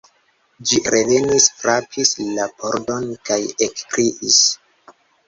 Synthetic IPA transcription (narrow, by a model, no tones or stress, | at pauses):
d͡ʒiɾe̞ve̞nisfɾapʰislapo̞ɾdo̞nkajekkɾiʔis